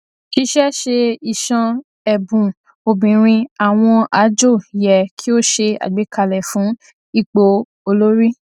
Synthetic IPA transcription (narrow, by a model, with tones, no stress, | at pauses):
ki˧˦ʃɛ˦ʃe˧i˨ʃɔ̃˧ | ɛ˨bũ˨ | o˨bĩ˨ɾ̃ĩ˧a˨w̃ɔ̃˧a˨˦d͡ʒo˦˨jɛ˨kʰi˦o˦ʃe˧a̰˨ɡ͡be˨˦ka˧˨lɛ˨fũ˨˦ | i˦˨k͡po˧ | o˧lo˦ɾi˦